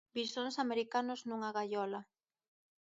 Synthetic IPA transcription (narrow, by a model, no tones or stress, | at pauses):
biɾsonsameɾikanʊznuŋaɣaʎɔla